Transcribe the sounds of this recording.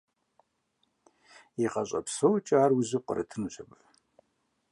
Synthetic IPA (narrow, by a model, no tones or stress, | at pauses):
iqɐɕʼɐ̰psowt͡ʃʼaːrwʊʑɪqʷʼə̰ɾɐ̰tʰɨnuɕʰɐpʼ